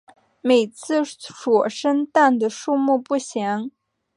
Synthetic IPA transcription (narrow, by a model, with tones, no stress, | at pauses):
me˨˩ɪt͡sʰɹ̩˥˩ʂwɔ˨˩ʂə˥nt̪a˥˩nd̪ə˩ʂu˥˧mu˥˧pu˥˩ɕjɛ˧˥ŋ